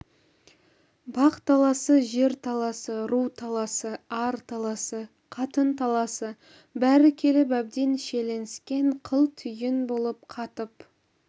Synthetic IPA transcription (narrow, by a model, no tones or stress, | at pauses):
bɑqt̪ʰɑlˠɑsəʒe̞ɾt̪ʰɑlˠɑsəɾuwt̪ʰɑlˠɑsəɑɾt̪ʰɑlˠɑsə | qʰɑt̪ənt̪ʰɑlˠɑsə | bæɾɪkʲʰe̞lɪp̬æb̚d̪enʃe̞le̞nɪskʲe̞ɴqʰəlˠt̪ʰʏjɪnbo̞lˠəp̚qʰɑt̪əp